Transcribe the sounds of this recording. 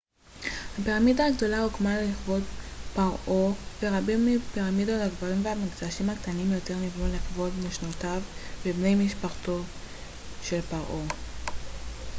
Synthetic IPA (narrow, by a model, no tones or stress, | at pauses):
hapeʁamidaːɡdo̞laukmalliχvo̞tpaʁʔov̥eʁabimːipeʁamidotaɡvaʁimveamiɡzaʃimhakt̪animjote̞ʁnivnuliχvo̞tmeʃnotavbebne̞jmiʃpaχto̞ | ʃe̞lpaʁʔo